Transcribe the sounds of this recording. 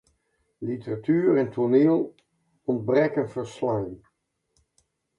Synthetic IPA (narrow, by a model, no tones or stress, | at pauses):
litəratyːɾɛntʰoneːlˠ | ɔnd̚brɛkənvəɹslɑŋ